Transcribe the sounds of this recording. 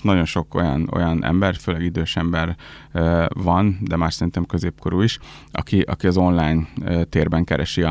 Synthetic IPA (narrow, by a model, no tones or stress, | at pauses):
nɒɟo̞nʃo̞ko̞̰jɒ̰no̞̰jɒnʔɛ̰mbɛrføːlɛɡid̪øːʃɛmbɛr | vɒnd̪ɛmaːʃsɛɾint̪ɛmkøzeːp̚kʰoɾuːiʃɒ̰kiʔɒ̰kiɒzo̞nlaːjnt̪eːrbɛŋkɛɾʔɛʃi